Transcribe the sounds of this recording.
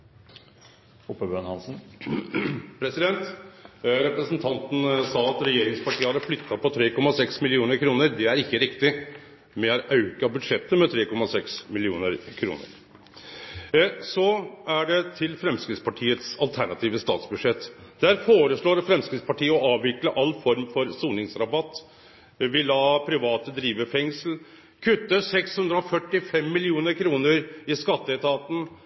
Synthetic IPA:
ʊpːəbøːnhɑnsn̩ | pʰɾɛsɪd̪ɛnt̪ | ɾɛpɾəsn̩t̪ʰɑnt̪n̩sɑːɑt̪ɾɛjeːɾɪŋspʰɑʈʰiːəhɑɾəflʏt̪ʰːɑpʰɔt̪ʰɾeːkɔmːɑsɛksmɪlɪuːnəɾkʰɾuːnəɾd̪ɛæɾɪkːəɾɪkt̪ɪ | mɛɑɾʔɑʉkɑbʉd̪ʂɛt̪ːəmɛt̪ʰɾeːkɔmɑsɛksmɪlɪuːnəɾkʰɾṵːnə̰ɾ | sɔæɖɛt̪ʰɪlfɾɛmskɾɪspɑʈʰiːət̪sɑlt̪ʰæɳɑt̪ʰiːʋəst̪ɑ̰ːt̪sbʉd̪ʂɛt̪ːd̪̥æɾfoːɾəsɭoːɾfɾɛmskɾɪspɑʈʰiːəɔɑːʋʋɪkləʔɑlːfɔɾmfɔɾsuːnɪŋsɾɑbɑt̪ː | ʋɪlːɑːpʰɾɪʋɑːt̪əd̪ɾiːʋəfɛŋsl̩ | kʰʉt̪ːəsɛkshʉnd̪ɾəɔfœʈːɪfɛmːɪlɪuːnəɾkʰɾuːnəɾɪskɑt̪ːəɛt̪ʰɑːt̪n̩

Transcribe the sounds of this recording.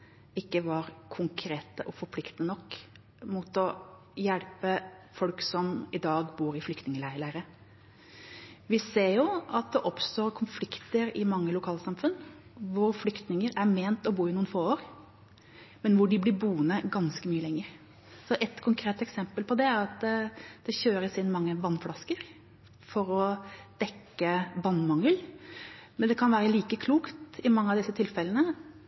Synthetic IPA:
ɪkːəʋɑɾkʰʊŋkʰɾeːt̪əʔɔfɔɾpʰlɪkt̪ənɔkː | mut̪ɔ | jɛlpəfɔlksɔmɪd̪ɑːɡbuːɾɪflʏkt̪nɪŋəlæɪləɾə | ʋɪseːɾjʊɑt̪̚d̪ɛʔɔpst̪oːɾkʰʊnflɪkt̪əɾɪmɑŋːəlʊkʰɑːlsɑmfʉnːʋʊɾflʏkt̪nɪŋəɾæɾmeːnt̪ɔbuːɾɪnuːənfoːoːɾ | mɛnʋʊɖɪblɪbuːnəɡɑnskəmyːəlɛŋːəɾ | sɔʔɛt̪kʰʊŋkʰɾeːt̪ɛksɛmpəlpʰɔd̪ɛæɾɑt̪d̪̥ɛɕøːɾəsɪnːmɑŋːəʋɑnːflɑskəɾ | fɔɾɔd̪̥ɛkːəbɑːnmɑŋəl | mɛnd̪ɛkʰɑnʋæːɾəliːkəkʰluːkt̪ɪmɑŋːəɑʋd̪ɪsːət̪ʰɪlfɛlənə

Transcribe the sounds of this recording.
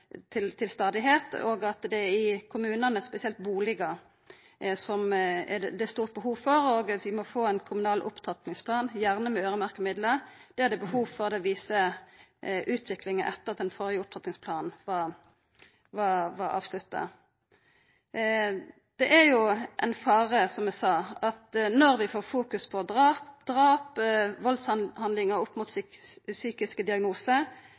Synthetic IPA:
t̪ʰɪlt̪ʰɪlst̪ɑːd̪ɪɦeːt̪o̰ːɡɑt̪d̪ɛæɾɪkʰʊmʉːnənəspɛsɪɛlt̪buːlɪɡə | sɔmd̪ɛæst̪uːʁt̪̚bəhuːʋfɔɾoːɡʋɪmɔfoːænkʰʊmʉnɑːlʔʊ̰pt̪ʰɑt̪nɪŋspʰlɑːnjæʁnəmɛøːʁəmæʁkəmɪd̪ləʁd̪̥ɛæd̪ɛbəhuːʋfɔʁd̪ɛʋiːsə | ʔʉːt̪ʰʋɪklɪŋənʔɛt̪ːəʁɑt̪ɛnfɔɾjəʊp̚t̪ʰɑt̪nɪŋspʰlɑːnʋɑ | ʋɑʋɑɾɑ̰ːʋslʉt̪ːɑ̰ | d̪̥ɛʔæɾjʊʔɛ̰nfɑːʁəsɔmɛsɑːɑt̪nɔʁʋɪfoːʁfuːkʉspʰɔd̪ʁɑpd̪̥ʁɑːpʋɔlshɑnlɪŋəʁʊpːmʊt̪syːkɪskəd̪ɪɑɡnuːsə

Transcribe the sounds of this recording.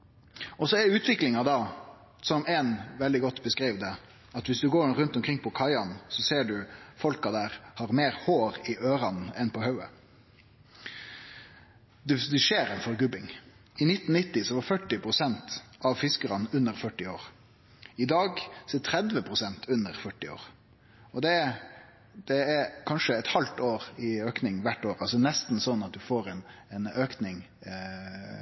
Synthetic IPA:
ɔsɔɛɖɛʉːt̪ʋɪklɪŋɑd̪ɑː | sɔmɛnʋɛld̪ɪɡɔt̪ːbəskɾiːʋd̪ɛ | ɑt̪ʋɪsd̪ʉɡoːɾʉnt̪ɔmkʰʁɪŋpʰɔkʰɑɪɑnsɔseːɖʉfɔlkɑd̪æːɾhɑɾmeːɾhoːɾɪʔøːɾɑnn̩ɛnpʰɔhɑʉə̰ | d̪ɛd̪ɛʃeːɾɛnfɔɾɡʉbɪŋ | ɪnɪt̪ːn̩nɪt̪ːɪsɔʋɑɾfœʈːɪpʰɾʊsɛnt̪ʔɑʋfɪskəɾɑnʉnːəɾfœʈːɪoːɾ | ɪd̪ɑːɡsɔɛt̪ʰɾɛd̪ʋəpʰɾʊsɛnt̪ʰʉnːəɾfœʈːɪo̰ːɾ | ɔd̪ɛ | d̪̥ɛɛɾkʰɑnʃəɛt̪hɑlt̪oːɾɪøːknɪŋʋæʈːoːɾɑlsɔnɛst̪n̩sɔnːɑt̪̚d̪ʉfoːɾɛnɛnøːknɪŋ

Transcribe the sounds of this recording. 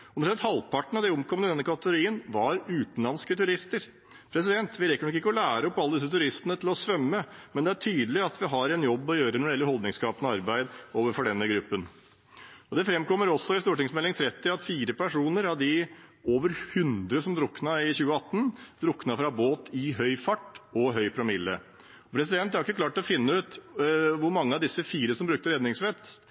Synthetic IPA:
ʊnəʂɛt̪hɑlpʰɑʈɳ̩ɑʋd̪ɛɔmkʰɔməəd̪ɛnːəkʰɑt̪əɡʊɾiːənʋɑɾʉːt̪nlɑnskət̪ʰʉɾɪst̪əɾ | pʰɾɛs̬ɪd̪ɛnt̪ʋɪɾɛkːəɳɔkːɪkːəɔlæːɾəɔpːɑlːəd̪ɪsːət̪ʰʉɾɪst̪ənət̪ʰɪlɔsʋœmːəmɛnd̪ɛæʈʰyːd̪əlɪɑt̪ʋɪɦɑɾɛnjɔbːɔjøːɾənɔɖɛɪɛləɾhɔld̪nɪŋskɑːpənɔɑɾbæɪd̪oːʋəɾfɔɖɛnːəɡɾʉpːən | ɔd̪ɛfɾɛmkɔmːəɾɔsːɔɪst̪uːʈɪŋsmɛlːɪŋt̪ʰɾɛt̪ːɪɑt̪fiːɾəpæʂuːnəɾɑʋd̪ɪoːʋəɾhʉnd̪ɾəsɔmd̪ɾʊkːnɑɪçʉːəɑt̪ːənd̪ɾʊkːnɑfɾɑboːt̪ʰɪɦœʏfɑʈːɔɦœʏpʰɾɑmɪlːə̰ | ɔpʰɾɛs̬ɪd̪ɛnt̪æɾɪkːəklɑːʈlɔfɪnːəʉːt̪ʋʊɾmɑŋːəɑʋd̪ɪsːəfiːɾəsɔmbɾʉkt̪əɾɛd̪nɪŋsfɛt̪ː

